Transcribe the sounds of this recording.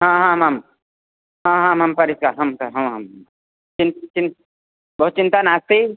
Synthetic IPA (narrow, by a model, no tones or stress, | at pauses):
ɦãɦãmaːm | ɦãɦãːmaːmpɐɾɪskaːɾɦɐmkaɦɐ̃ɦɐm | t͡ʃɪnt͡ʃɪn | bəɦʊt̪t͡ʃɪ̃nt̪anaːst̪i